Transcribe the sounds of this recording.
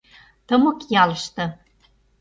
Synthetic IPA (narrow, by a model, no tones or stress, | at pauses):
t̪ɤ̆mɤ̆kjɑlɤ̆ʃt̪ɤ̆